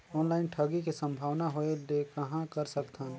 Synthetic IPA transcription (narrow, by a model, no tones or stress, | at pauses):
ɔːnlaːɪnʈʰɐɡikisɐ̃mbʱaːʋnaɦoed̪ekɐɦãkɐɾsɐkt̪ʰãːn